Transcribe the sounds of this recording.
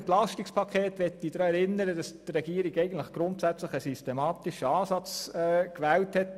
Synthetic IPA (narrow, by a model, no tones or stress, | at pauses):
nt̪lɑʃtikspʰɑkʰeːt̪ʋɛtːid̥̪ɾɑːɛɾɪnəɾədɑst̪rɛɡiːɾiɡɛɪɡən̩tləχɡ̥ɾʊntsæt͡sləχəsystemɑːt̪iʃəɑːsɑt͡sɛːkʋæːlthɛt